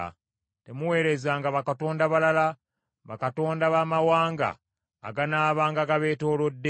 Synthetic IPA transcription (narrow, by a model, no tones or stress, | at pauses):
te̞muwe̞ːɾe̞zaːŋɡaβakato̞ːndaβalala | βakato̞ːndaβamawaːŋɡa̰ː | ɡanaːβaːŋɡaɡaβe̞ːto̞ːlo̞dːe